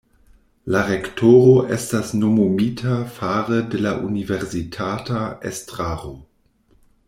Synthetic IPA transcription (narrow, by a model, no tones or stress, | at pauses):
laɾektʰoɾoʔestasnomomitʰafaʁədelaʔuniveɾsitʰataḛstɾaʁo